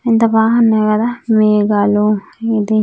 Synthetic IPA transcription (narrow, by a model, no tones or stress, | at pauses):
int̪ɐbaːɦɐnːakɐd̪aːmeːɡaluid̪i